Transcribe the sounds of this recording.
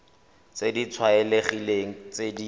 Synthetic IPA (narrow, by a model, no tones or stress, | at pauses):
t͡sedit͡sʰwaɛleχileŋ̩t͡sedi